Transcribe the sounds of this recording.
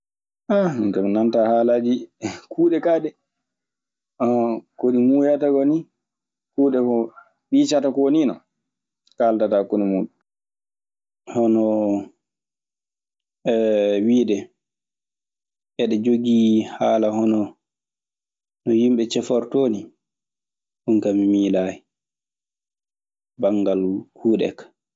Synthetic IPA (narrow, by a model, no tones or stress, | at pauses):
ʔantɔmnantahaːlad͡ʒikʰuːɗɛkaːɗɛ | ɔkoɗimuːjataɡɔni | kuːɗɛkɔ | ɓiːt͡ʃatakɔwninɔ | kaltatakunɔmuɗu | hɔnɔ | wiːdɛ | ʔɛɗɛd͡ʒoɡihaːlahɔnɔ | nɔhimɓɛt͡ʃɛfɔɾtoːni | huŋkamimiːlaːhɛ | baŋɡalkʰuːɗɛ̰kḁ